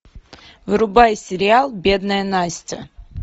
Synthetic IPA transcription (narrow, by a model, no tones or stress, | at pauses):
vɨɾʊbajsʲɪɾʲɪalˠbʲed̪nəjənajsʲt̪ʲə̰